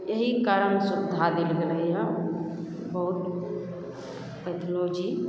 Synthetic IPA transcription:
eɦikaɾənsud̪ʱad̪elɡeləã | bəɦut̪ | pət̪ʰlod͡ʒi

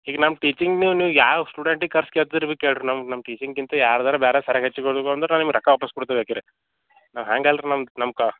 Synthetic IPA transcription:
hiːɡɐnɐmɐʈiːt͡ʃiŋɡniːʋuniːʋujaːsʈuːɖeɳʈikɐɾskeːɭt̪id̪iɾibikːeːɭɖɾunɐmɐnɐmːɐʈiːt͡ʃiŋɡkint̪ɐjaːɾd̪ɐɾɐbɛːɾesɐɾeɦet͡ʃːukoɽd̪ukond̪ɐɾnaːnimɡɾɐkːɐʋaːpɐskuɽt̪ebeːkiɾe | naːʋɦaːŋɡɐlɾinɐmnɐmɐka

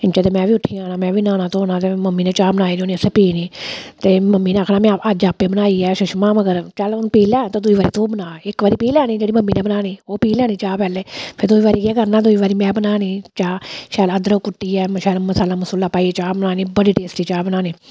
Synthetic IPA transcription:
ɪnt͡ʃɛːt̪̬eːmɛ̃ːʋiːʊʈʰːiːaːnaːmɛ̃ːʋiːnaːnãːt̪oːnãːt̪eːməmːiːneːt͡ʃaːbənaːiːnoːniːəseːpiːniːt̪eːməmːiːnẽaːkʰnaːmɛ̃ːad͡ʒaːpːeːbənaːiːɛːʃʊʃmãːməɡəɾt͡ʃəlonpiːlɛːt̪õd̪uiːʋaːɾiːt̪õːbənaːɪkʋaːɾiːpiːlɛːniːd͡ʒeːɽiːməmːiːnẽːbənaːniːoːpiːlɛːniːt͡ʃaːpɛːleːpʰɪɾd̪uːiːʋaːɾiːkeːɡəɾnãːd̪uiːʋaːɾiːmɛ̃ːbənaːniːt͡ʃaːʃɛːləd̪ɾoːkʊʈːiːɛːʃɛːlməsaːlaːmʊsʊlːaːpaːit͡ʃaːbənaːniːbəɽiːʈeːsʈiːt͡ʃaːbənaːniː

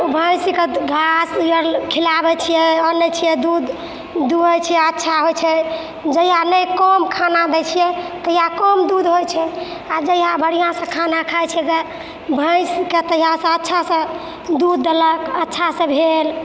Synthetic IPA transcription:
bʱə̃jsikeɡʱasjəɾkʰilabɛt͡ʃʰijɛɔnːət͡ʃʰijɛd̪ud̪ː | uət͡ʃʰijɛətːʃʰaɦojt͡ʃʰɛ | d͡ʒəjanəjkɔmkʰanad̪ɛt͡ʃʰijɛt̪əɦijakɔmd̪ud̪ɦojt͡ʃʰɛ | ad͡ʒəjabʱəɽ̤ijãsə̃kʰanakʰajt͡ʃʰjɛke | bʱə̃jsket̪əijasə̃ətːʃʰasə̃ | d̪ud̪ːeləkətːʃʰasə̃bʱel

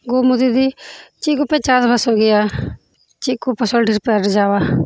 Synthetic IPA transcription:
ɡoːmʊd̪iːd̪iːt͡ʃikʊpɛ̃ːt͡ʃaːzbəsoːɡɪjaː | t͡ʃikupːəsoːɖiːɾpɛːɾd͡ʒaːʋaː

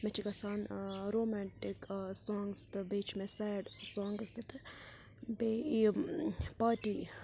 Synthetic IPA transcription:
mɛt͡ʃʰikɐsaːnɾoːmɛːɳʈɪksɔːŋɡst̪ɨbeːt͡ʃʰmɛsɛːɖsɔːŋɡst̪it̪ | bei | paːʈiː

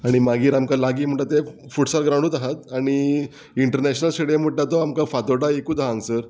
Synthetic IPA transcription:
aɽ̃imaɡiːɾamkalaɡiːm̤əɳʈ̪at̪e | fuʈsaɾɡɾaɽ̃uːt̪aɦat̪̚aɽ̃i | iɳʈəɾnɛɕnəlɕəɽjam̤əʈlat̪ɔamkafat̪oɽaekuːd̪aɦãŋɡsəɾ

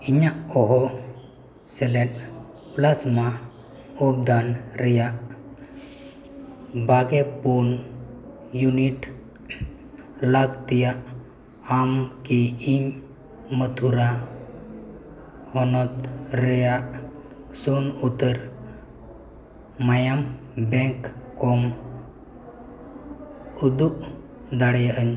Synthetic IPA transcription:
iɲaʔɔɦɔ | selen | plasma | ob̚d̪anɾəjaʔ | bʱaɡepun | juniʈ | laɡt̪ija | amkiiɲ | mət̪ʰuɾa | hɔnɔt̪ɾeja | sunut̪əɾ | majam | bẽŋkkɔm | ud̪uʔ | d̪aɽjaəɲ

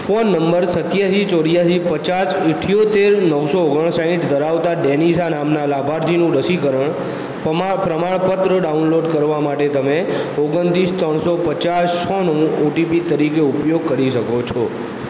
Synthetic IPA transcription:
fonːəmbəɾsət̪jaʃit͡ʃoɽjaʃ̬ipət͡ʃasiʈʰijot̪eɾnəʋsooɡəɳ̃saɦĩʈd̪əɾaʋt̪aɖenisanamnalabʱaɾt̪ʰinũɾəsikəɾəɳ | pɾəmaɭpət̪ɾəɖaunloɖkəɾʋamaʈet̪əmeoɡənt̪ist̪ɾəɳ̃sopət͡ʃast͡ʃʰɔnũoʈipit̪əɾikeupjoɡ̚kəɾiʃəkot͡ʃʰɔ

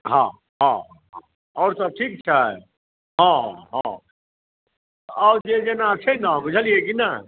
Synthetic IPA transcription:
ɦã̰ | ɦã | ɦã | ɔːɾsəb̚ʈʰiːk̚t͡ʃʰaɛ̰ | ɦãɦã̰ | ɔːɾd͡ʒed͡ʒenat͡ʃʰenãɡʊd͡ʒʱəliekina

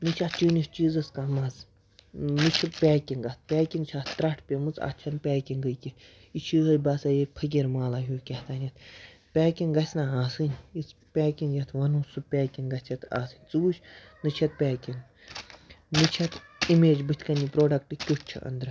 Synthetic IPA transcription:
nɨt͡ʃʰatt͡ʃinist͡ʃiːzɐskaːmɐz | nɨt͡ʃʰipʲɛːkʲiŋɡɐt̪̚ʰpʲɛːkʲiŋɡt͡ʃʰat̪t̪ɾɐʈʰpʲemɨt͡sa̰t͡ʃʰɐnpʲɛːkʲiŋɡəjkʲi | it͡ʃʰiːɦɐbɐsajek̚pʰɐk̬ʲiɾmaːlaɦʲuːkʲɐt̪aːnʲjɐt̪ʰ | pʲɛːkʲiŋɡɐsʲnaaːsɨnʲispʲɛːkʲiŋɡjɐt̪ʰʋɐnuːsɨpʲɛːkʲiŋɡɐsʲʰɐt̪ʰa̰ːsɨnʲt͡suːt͡ʃʲ | nɨt͡ʃʰɐt̪̚pʲɛːkʲiŋ | nɨt͡ʃʰɐt̪ʰ | imeːd͡ʒbɨt̪ʰʲkɐnipɾoːɖɐkʈɨkʲut͡ʃʰḭʔɐ̰nd̪ɾɨ

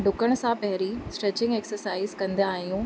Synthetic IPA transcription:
ɖʊkəɽ̃̆sãpɐɦɪɾisʈɾet͡ɕɪ̃ŋɡeksəɾsaːɪzkɐ̃nd̪aːɦijũː

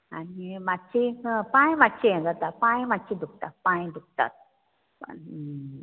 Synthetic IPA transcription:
a̰nimatːihə̃paĩmatt͡ɕiẽd̪at̪apaĩmatt͡ɕid̪uk̚t̪at̪̚pãĩd̪uk̚t̪a̰t̪̚ | pa̰

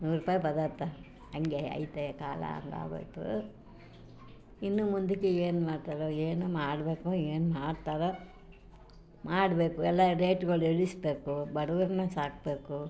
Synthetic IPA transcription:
nuːɾɾupaːjibɐd̪ɐɾt̪ːa | ɐŋɡeɐ̰jt̪ekaːlɐ̰ɐ̰nd̪a̰ːɡo̰jt̪ṵ | inːumund̪ikːeeːnmaːɖt̪aːɾoeːnumaːɽbe̞ːkoeːnumaːɽt̪aːɾo | maːɽbe̞ːkuɛlːaɾeːʈɡɐɭeɭisbe̞ːkubɐɽɐʋɐɾinːɐsaːk̚be̞ːku

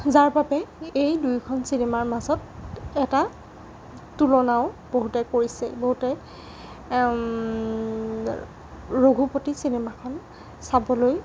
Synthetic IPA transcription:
zaɹbabɛejdujkʰɔnsinemaɹmazɔtɛta | tulɔnaʊb̥oɦutɛkoɹisɛ̰boɦutɛ | ɹoɡʱupotisinemakʰɔn | sabɔloj

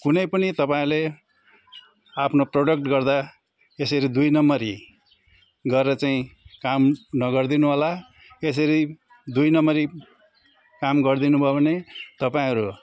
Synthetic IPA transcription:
kunʌjpʌnit̪ʌpaĩle | apʰnoproɽʌkʈɡʌrd̪a | esʌɾid̪ujnʌmʌɾi | ɡʌɾeɾʌt͡saĩkamnʌɡʌrd̪inuɦʌla | es̬ʌɾi | d̪ujnʌmʌɾi | kamɡʌrd̪inubʱʌbʱʌnet̪ʌpaĩɦʌɾu

